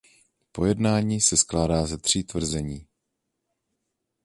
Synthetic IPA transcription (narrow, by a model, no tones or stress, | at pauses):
po̞jɛdnaːɲiːsɛsklaːdaːzɛt̪r̝̥iːt̪vr̩zɛɲiː